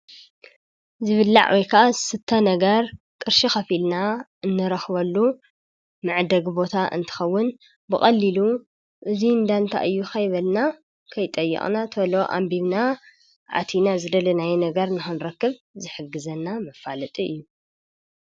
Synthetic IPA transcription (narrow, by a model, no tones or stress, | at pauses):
zɨβɨlːa̰ʕwʔɔjkʰaʔasɨt̪ʰːɐnɐɡɐɾ | kʼɨɾʃixɐfilnaɨnːɨɾɐxβɐlːu | mɨʕd̪ɐɡbo̞t̪ʰaʔɨ̰nt̪ʰɨ̥xɐwːʊn | bɨxʼɐlːilu | ʔɨzind̪ant̪ʰa̰ʔɨjːuxɐjβɐlna | kʰɐjt̪ʼɐjːɛ̰χʼnat̪ʰɐlo̞ʔa̰mbiβna | ʕa̰t̪ʰinazɨd̪ɐlɐnajɛnɐɡɐɾnɨxɨnɾɐkːɨβ | zɨħɨɡːɨzɐnːamɐfalɐt̪ʼiʔɨ̰jːu